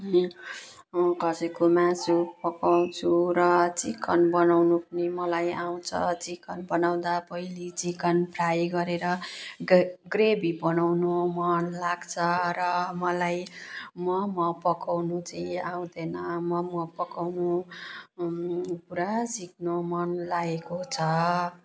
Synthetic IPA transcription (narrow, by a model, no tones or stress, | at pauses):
mʌkʌsʌjkomãsupʌkaw̃t͡sʰuɾʌt͡sikʌnbʌnawnupʌnimʌlajaw̃t͡sʰʌ̰t͡sikʌnbʌnaw̃d̪apʌilit͡sikʌnprajɡʌɾeɾʌ | ɡrebibʌnawnomʌnlaɡt͡sʰʌɾʌmʌlajmʌmʌpʌkawnut͡sʌĩaw̃d̪enʌmʌmʌpʌkawnu | puɾasik̚nomʌnlaɡekot͡sʰʌ